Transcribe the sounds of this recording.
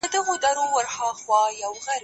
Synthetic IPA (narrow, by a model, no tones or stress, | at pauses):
əd̪əɣod̪aɾowəɾxɑxwɑjawɣaɾ